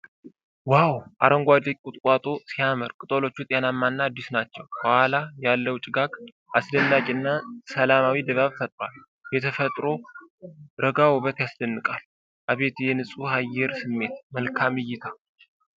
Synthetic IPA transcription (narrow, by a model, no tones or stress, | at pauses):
wawʔa̰ɾəŋɡʷad̪ekkʼut̪ʼkʷʼwat̪ʼosijamɨɾkʼɨt̪ʼolo̞t͡ʃːut̪ʼjanamːanːaːd̪ːisnat͡ʃːɛwbəhalajalːəwt͡ʃʼɪɡaɡ | ʔasdənːakʼɨnːasəlamawid̪əβaβfət̪ʼɾwal | jɛt̪ʰəfət̪ʼɾo̞ | ɾəɡawoβət̪jaslənːɨkʼal | ʔaβe̞t̪jɛnɨsʼuhajːɛɾsɨmːe̞t̪məlkʰamɨjːɪt̪ʰa